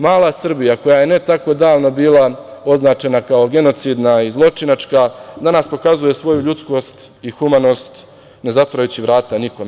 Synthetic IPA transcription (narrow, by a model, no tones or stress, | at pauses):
maːlˠasr̩bijako̞jaje̞ne̞t̪ako̞d̪aːʋno̞biːlˠao̞znaːt͡ʃe̞nakao̞ɡe̞no̞t̪sid̪naizlˠo̞t͡ʂinat͡ʂkad̪anaspo̞kazuje̞sʋo̞juʎut̪sko̞st̪ixumano̞ːst̪ | ne̞zat̪ʋoɾajut͡ɕiʋɾaːt̪aniko̞me